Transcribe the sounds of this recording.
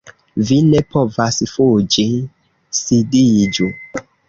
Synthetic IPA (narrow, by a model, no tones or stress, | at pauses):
vinepovasfud͡ʒi | sidid͡ʒu